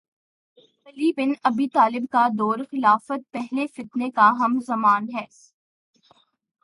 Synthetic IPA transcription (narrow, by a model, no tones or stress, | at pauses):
xɐliːbɪnɐbiːt̪aːlɪbkad̪ɔːɾxɪlaːfət̪̚pɛɦlefɪt̪nekaɦɐmzɐmaːnɦɛː